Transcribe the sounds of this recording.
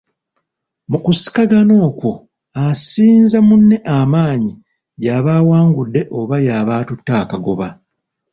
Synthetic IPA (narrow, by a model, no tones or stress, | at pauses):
mukusi̥kaɡano̞ːko | asiːnzamunːe̞ʔamaːɲi | jaβaːwaːŋɡudːe̞ʔoβajaβaːtutːaːkaɡo̞βa